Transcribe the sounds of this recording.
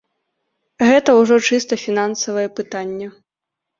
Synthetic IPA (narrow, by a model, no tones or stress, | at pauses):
ɣɛt̪ɐwʐɔt͡ʂɨst̪ɐfʲinansɐvɐjɛpɨt̪anʲːɛ